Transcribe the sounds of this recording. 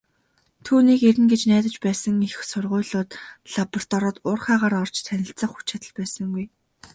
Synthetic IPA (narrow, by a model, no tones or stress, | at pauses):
t̪ʰuːniːkeɾɘ̆nɡet͡ɕnæːt̪ə̆t͡ɕpæːsə̆ŋixsʊrʁʊ̟ːɮʊːt̪ɮ̥apɔr̥t̪ɔɾɔ̆t̪ʊːrχaːʁaːɾɔr̥t͡ɕt̪ʰænʲɪ̆ɬt͡sə̆χu̥t͡ɕat̪ə̆ɮpæːsə̆ŋɡuj